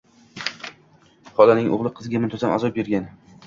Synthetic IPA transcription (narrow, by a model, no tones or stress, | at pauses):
χɒlanɪŋo̰ʁlˠɪqʰɨzɪɡʲamɪnt̪ʰozama̰zɒp̚beɾɡʲan